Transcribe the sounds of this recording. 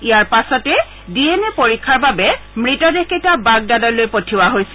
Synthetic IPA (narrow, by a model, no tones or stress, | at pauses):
ijaɹpasɔtɛ | dienɛpoɹikʰːaɹbabɛ | mɹitɔdexetabaɡ̚dadɔjlojpotʰiwaɦojsɛ